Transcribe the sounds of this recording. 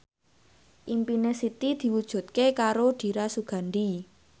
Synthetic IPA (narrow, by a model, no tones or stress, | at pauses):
ʔimpinesit̪id̪̥i̤wud̥ʒ̥ṳt̪̚kekaɾoɖ̪̥i̤ɾasuɡ̥a̤nd̪i